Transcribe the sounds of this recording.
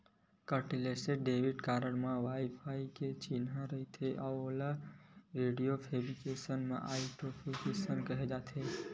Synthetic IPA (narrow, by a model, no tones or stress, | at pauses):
kəɾʈileseɖeʋiɖkaɾəɽmãʋaipʰaiket͡ʃinɦãɾəɦit̪ʰeʔaolaɾeɖijopʰebɾikesənmã̰ʔaiʈɾofʰikesənkəɦed͡ʒat̪ʰe